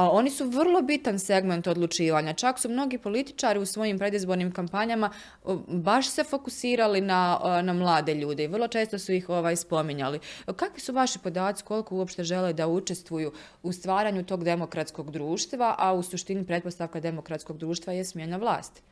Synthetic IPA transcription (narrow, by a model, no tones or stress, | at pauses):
o̞nisuʋərlˠo̞bit̪anse̞ɡme̞nt̪o̞d̪lˠut͡ʃiːʋaːɲat͡ʃaksumno̞ɡipo̞lit̪i̥t͡ʃaːɾiusʋo̞jimpɾe̞d̪izbo̞ɾniːmkampaɲama | baʃse̞fo̞kusiːɾalinanamlˠaːd̪e̞ʎuːd̪eiʋərlˠo̞t͡ʃe̞ːst̪o̞sujixo̞ʋaːjspo̞miɲalikakʋisuʋaʃipo̞d̪aːt̪si̥ko̞lˠikouo̞pʃt̪e̞ʒe̞led̪aut͡ʃe̞st̪ʋuju | ust̪ʋaːɾaːɲut̪o̞ːɡd̪e̞mo̞kɾat̪sko̞ɡd̪ɾuːʃt̪ʋaʔausuʃt̪inipɾe̞t̪po̞st̪aʋkad̪e̞mo̞kɾat̪sko̞ɡ̚d̪ɾuːʃt̪ʋajesmjenaʋlˠa̰ːst̪